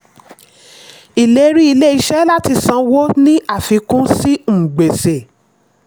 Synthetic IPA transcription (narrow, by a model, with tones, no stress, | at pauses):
i˨le˨˦ɾi˦i˧le˦i˧ʃɛ˦la˦ti˧sã˨˧wo˦nĩ˦ʔa˦˨fi˨˧˦kũ˦si˦ŋ͡m̩̃˨ɡ͡be˨se˨